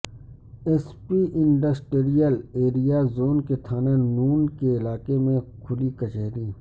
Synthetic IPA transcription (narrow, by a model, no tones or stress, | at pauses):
espiʔɪ̃ɳɖɐsʈɾijəleːɾijazoːnket̪ʰaːnanuːnkeɪlaːkemẽkʰʊlikɐt͡ʃeːɾiː